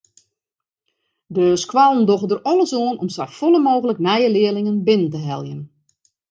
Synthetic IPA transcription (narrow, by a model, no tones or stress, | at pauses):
døːskʰwalˠəndoɣədərɔlˠəsoənɔmsɛfolˠəmoːɣələknɛjəlɪəlɪŋənbɪnəntəɦɛlˠjən